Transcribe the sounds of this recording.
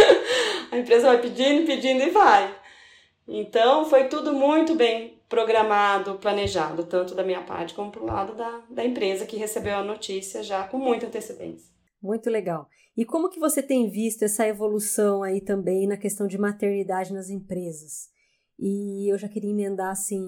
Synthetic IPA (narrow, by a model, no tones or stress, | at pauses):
ɐẽpɾezɐvajpid͡ʒĩd̪ʊɪpid͡ʒĩnd̪ʊɪvaj | ḛ̃nt̪ɐ̃w̃fojt̪ud̪ʊmũj̃t̪ʊbẽj̃pɾoɡɾamad̪ʊplɐneʒad̪ʊt̪ɐ̃nt̪ʊd̪ɐmĩɲɐpa̰ɾt͡ʃɪ̥kõmʊpɾʊla̰d̪ʊd̪ɐd̪ɐẽpɾezɐkɪɦesebewɐnot͡ʃisiɐʒakõmũj̃t̪ɐ̃nt̪esed̪ḛ̃sɐ | mũj̃t̪ʊleɡaw | ɪkõmʊkɪvoset̪ẽj̃vist̪ʊɛsɐevolusɐ̃w̃ait̪ɐ̃mbẽj̃nɐkest̪ɐ̃w̃d͡ʒɪmat̪eɾnid̪ad͡ʒɪnɐzẽpɾezɐs | ɪewʒakeɾiɐ̃mẽnd̪aɾasĩ